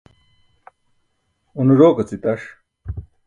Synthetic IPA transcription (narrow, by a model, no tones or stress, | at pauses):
unɾoːkɐt͡sit̪ɐʂ